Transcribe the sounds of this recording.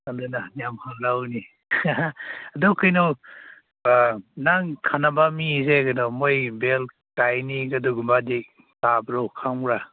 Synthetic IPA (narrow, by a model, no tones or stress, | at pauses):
andɯnajamhalɾawni | adɔkɯjnɔ | naŋkʰanabamizeɡanɔmojbel | tajniɡaduɡumbadi | tabɾɔwkʰaŋɾa